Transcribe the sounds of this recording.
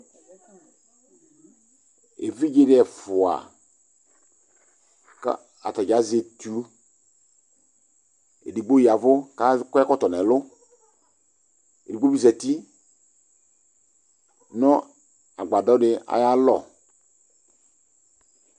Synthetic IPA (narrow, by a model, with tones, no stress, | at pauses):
ḛ˨vi˦d͡ʒe˦dɪ˦ɛ˨fʊ˨a̰˨ | ka̰˦ | a˨ta˨d͡ʒa˨˦ze˨tu˨˦ | ḛ˨di˨ɡ͡bo˦ji˨a˨vʊ˦ka˦kɛ˦kɔ˦tɔ˨nɛ˨lʊ˦ | ḛ˨di˨ɡ͡bo˦bi˦zɛ˨ti˦ | nɔ˦ | a˨ɡ͡ba˨dɔ˨˦dɪ˦a̰˨ja˦lɔ˦˨